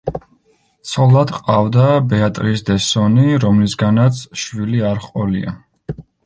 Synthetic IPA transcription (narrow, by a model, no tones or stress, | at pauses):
t̪sʰɔlˠad̪qʼavd̪abɛat̪ʼɾisd̪ɛsɔniɾɔmlisɡanat̪sʰʃwiliaɾχqʼɔlḭa̰